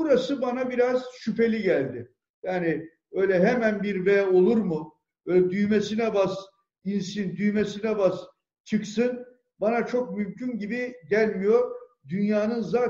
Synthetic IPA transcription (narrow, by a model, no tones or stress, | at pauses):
buɾasɯbanabiɾaz̥ʃypʰe̞lʲiɟælʲd̪ɪ | jaːni | ø̞jlʲɛɦemænbiɾvɛːo̞lˠuɾmu | bølʲɛd̪yjmesinɛbaz | insind̪yjmesinɛbaz | t͡ʃʰɯksɯn | banat͡ʃʰo̞k̚mymcʰynɟibiɟælʲmijo̞ɾd̪ynjaːnɯnzaː